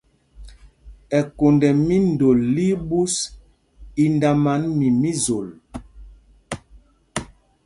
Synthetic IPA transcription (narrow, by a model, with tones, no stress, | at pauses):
ɛ˨ko˨ndɛ˨mi˦n˨do˨lːi˦bu˦s | i˦nda˦ma˨˦nmi˨mi˦zo˨l